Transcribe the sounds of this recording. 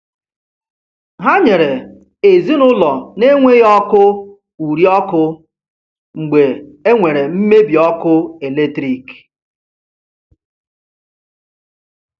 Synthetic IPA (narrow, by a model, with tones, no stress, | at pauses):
ɦa˦ɲe˨ɾe˨ | e˨zi˦nʊ˦lɔ˨ne˦ŋʷe˦ɔ˦kʊ˦ | u˨ɾjɔ˦kʊ˦ | ŋ͡m̩˨ɡ͡be˨e˦ŋʷe˨ɾe˨m̩˦me˦bi˨ɔ˦kʊ˦e˨le˦tɾi˦k